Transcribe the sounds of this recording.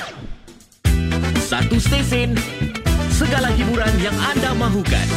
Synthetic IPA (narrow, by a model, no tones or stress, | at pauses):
sat̪ust̪esɪn | səɡalahibuɾanjaŋandamãɦuka̰n